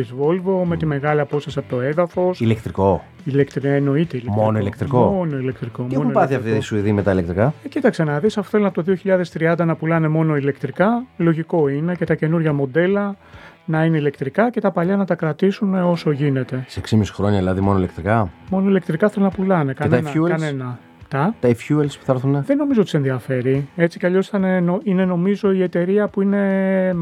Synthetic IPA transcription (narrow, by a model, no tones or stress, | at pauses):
izvo̞lvo̞me̞t̪ime̞ɣɐliɐpo̞sɐsiɐpot̪oe̞ðɐfo̞silekt̪ɾiko̞ | ilekt̪ɾieno̞it̪eilekmonoilekt̪ɾikoono̞ile̞kt̪ɾiko̞meonuopɐθiɐft̪iisuiðimet̪ɐilek̚t̪ɾikɐecit̪ɐkse̞nɐðisɐfo̥θelonɐpot̪oðio̞çiʎɐðe̞st̪ɾiɐnd̪ɐnɐpulɐne̞mo̞noile̞kt̪ɾikɐlo̞ʝiko̞ine̞ce̞t̪ɐce̞nuɾʝɐmo̞d̪e̞lɐ | nɐine̞ile̞kt̪ɾikɐce̞t̪ɐpɐʎɐnɐt̪ɐkɾɐt̪isuneo̞so̞ʝine̞t̪e̞seeksimisi̥xɾo̞ɲɐlɐðimonoilekt̪ɾikɐmo̞no̞ilekt̪ɾikɐθelonɐpulɐne̞kɐnnɐnenɐ | t̪ɐt̪ɐifçuelspu̥θɐɾθuneðenːo̞mizot̪ise̞nðiɐfe̞ɾie̞t͡sicɐʎo̞sθɐnenoine̞no̞mizo̞iet̪e̞ɾiɐpuine̞